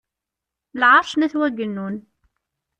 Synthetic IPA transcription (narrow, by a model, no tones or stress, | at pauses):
lʕɑɾˤʃnæθwæɡənːun